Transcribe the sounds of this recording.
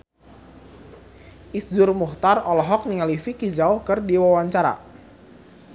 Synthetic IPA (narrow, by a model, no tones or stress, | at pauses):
ʔisd͡ʒʊrmuht̪arɔlɔɦɔk̚niŋalifikizaʊhkərdiwawaɲt͡ʃaɾa̰